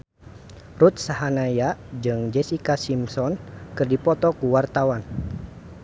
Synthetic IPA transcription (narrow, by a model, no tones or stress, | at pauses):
rut̪̚saɦanajad͡ʒɨŋd͡ʒɛsikasimsɔnkɨrdipɔt̪ɔkuwart̪awan